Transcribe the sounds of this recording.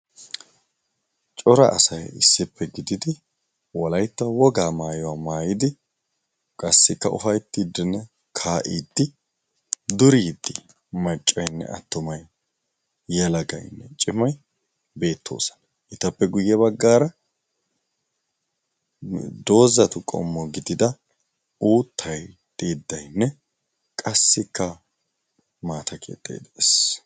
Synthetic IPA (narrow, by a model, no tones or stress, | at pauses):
t͡ʃʼɔɾɐ̰ʔɐ̰sɐjɪsːɪpːɛɡɪd̪ɪd̪ɪ | wɔlɐjt̪ːɐwɔɡaːmaːjɔwaːmaːjɪd̪ɪ | kʼɐsːɪkːɐʔʊ̰fɐjt̪ːiːd̪ːɪnːɛ | kʰaːʔiːd̪ːɪ | d̪ʊɾiːd̪ːɪ | mɐt͡ʃʼːɐjnːɛ̰ɐ̰t̪ːʊmɐjː | ɐlɐɡɐ̰jnːɛt͡ʃʼɪmɐj | be̞ːt̪ʰːo̞̰ːsɐ̥nɐ | ʔɪt̪ɐpːɛɡʊjːɛβɐɡːaːɾɐ | d̪o̞ːzɐt̪ʊkʼɔ̰mːɔɡɪd̪ɪd̪ɐ | uːt̪ʰːɐjt̪ʼiːd̪ːɐjnːɛ | kʼɐsːɪkːɐ | maːt̪ɐkʰḛːt̪ʼːḛːd̪es